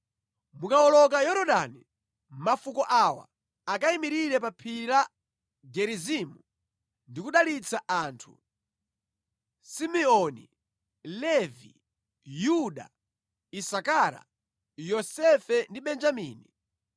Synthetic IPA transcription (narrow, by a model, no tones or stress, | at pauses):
mukaɔlɔkajɔɾɔɗani | mafukɔʔawa̰ | akaimiɾiɾɛpapʰiɾa | ɡɛɾizimu | ndikuɗalit͡saʔaːntʰṵ | simɛɔnḭ | lɛvḭ | juɗa̰ | isakaɾa̰ | jɔsɛfɛndiɓɛnd͡ʒamiːni